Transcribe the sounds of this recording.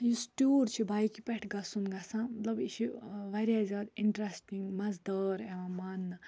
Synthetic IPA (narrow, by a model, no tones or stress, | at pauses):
jisʈuɾt͡ʃʰibʱajkipɛʈʰɡɐsunɡasãmɐt̪lɐbisiʋaɾʲjazad̪iɳʈɾesʈiŋɡmɐzd̪əɾeʋãmanːɐ